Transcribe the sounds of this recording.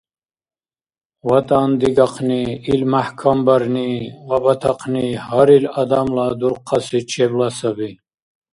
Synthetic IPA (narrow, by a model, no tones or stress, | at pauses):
wat̪and̪iɡaqʰniilmahkʰambəɾniwabɐt̪ʰɑqʰnihaɾilad̪amlad̪uɾqʰːɑsit͡ʃʰeblasəbi